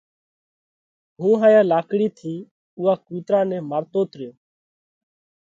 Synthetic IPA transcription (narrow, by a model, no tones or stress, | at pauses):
ɦũːɦãːjãːlaːkɽiːt̪ʰiː | uːaːkuːt̪ɾaːnɛ̃ːmaːɾt̪oːt̪ɾɪjoː